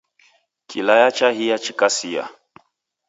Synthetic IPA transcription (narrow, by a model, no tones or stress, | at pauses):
kʰḭlajat͡ʃaɦijat͡ʃikasija̰